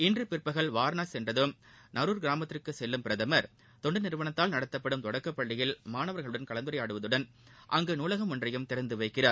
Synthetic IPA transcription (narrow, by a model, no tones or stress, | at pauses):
ɪndrɯpɪrpːɐɣɐɭʋaːɾnaːsɛndrɐðɯmnɐɾuːɾɡɪɾaːmɐt̪ːɾɪɯkːɯsɛlːɯmpɪɾɐðɐmɐɾ | t̪ɔɳɖɯnɪɾɯʋɐɳɐt̪ːaːlnɐɽɐt̪ːɐpːɐɽɯmt̪ɔɽɐkːɐpːɐɭːɪjɪlmaːnɐʋɐɾɣɐɭɯɽɐnkɐɭɐnd̪ɯɾɐjaːɽɯʋɐðɯɽɐn | ʔɐŋɡeːnuːlɐɣɐmɯndrɐjɯmt̪ɪɾɐnd̪ɯʋɐɪkːɪraːɾ